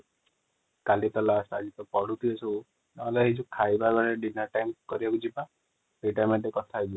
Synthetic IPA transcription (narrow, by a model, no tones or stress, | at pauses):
kalit̪ɔlasad͡ʒit̪ɔpɔɽut̪ʰiɔsɔw | nɔlaɦid͡ʒukʰajbaɡaɽeɖinaɾʈajmkɔɾibakud͡ʒipa | peʈaɾmeʈekɔt̪ʰaɦid͡ʒi